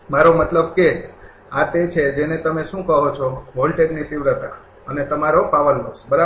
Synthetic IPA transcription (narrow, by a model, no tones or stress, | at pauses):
maɾomət̪ləb̚ke | at̪et͡ʃʰed͡ʒenet̪əmeʃũkəɦot͡ʃʰoɦolʈeɡnit̪iʋɾət̪a̰ | ənet̪əmaɾopaʋəlməsbəɾa